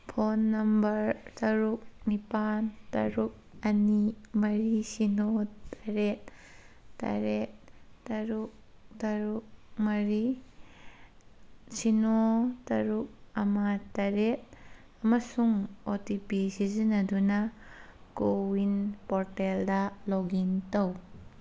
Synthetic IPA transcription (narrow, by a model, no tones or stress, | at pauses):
pʰonːɐmbɐɾtɐɾuk̚nipantɐ̰ɾuk̚ɐnimɐɾisinotaɾet̚ | ta̰ɾet̚tɐɾuk̚tɐɾuk̚mɐɾi | sinotɐɾuk̚ɐmɐtɐɾet̚ | ɐmɐsuŋotipisizinɐdunɐkowinpɔɾteldɐlɔɡintɐw